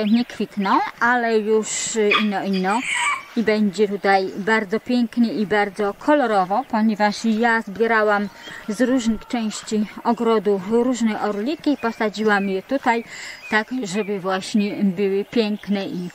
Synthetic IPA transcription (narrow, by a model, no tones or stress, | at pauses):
ɲɛkfʲit̪nɔ̃w̃ʔalɛjuʂinːɔinːɔibɛɲd͡ʑɛt̪ut̪ajbaɾd̪zɔpʲjɛŋknɘibaɾd̪zɔkʰɔlɔɾɔvɔpɔɲɛvaʂjazbʲjɛɾawamzɾuʐnɘxt͡ʂɛ̃w̃ɕt͡ɕiɔɡɾɔd̪ufɾuʐnɛʔɔɾlʲikʲiːpɔsad͡ʑiwamjɛt̪ut̪ajt̪aɡʐɛbɘvwaɕɲɛbɘwɘpʲjɛŋknɛʔi